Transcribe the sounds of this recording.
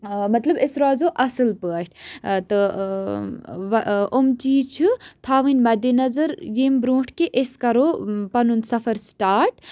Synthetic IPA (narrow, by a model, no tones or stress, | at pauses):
mɐt̪lɐbesɾaːzoʔɐsɨlpəːʈʰt̪ɨ | ʋomt͡ʃiːt͡ʃʰut̪ʰaːʋɨnʲmɐd̪enɐzɐɾjeːmbɾũːʈʰkeʔeskɐɾoːpɐnunsɐfʰɐɾsʈaːɾʈ